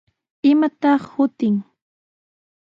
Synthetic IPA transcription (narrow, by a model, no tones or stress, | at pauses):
ɪmat̪ɑχhʊt̪ɪŋ